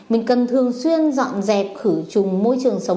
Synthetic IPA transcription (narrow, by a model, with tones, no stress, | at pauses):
mï˨˩ŋ̟kə˨˩nt̪ʰɨ˨˩əŋswi˧ənzɔ̰˧˨nzɛ˨˩p̚xɨ˧˩t͡ɕʊ˨˩ŋ͡mmo˧jt͡ɕɨ˨˩əŋsə˨˦w